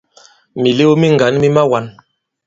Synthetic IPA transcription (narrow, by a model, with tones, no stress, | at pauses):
mi˨le˦o˦mi˦ŋ˨ɡa˨˦nmi˦ma˦wa˨˦n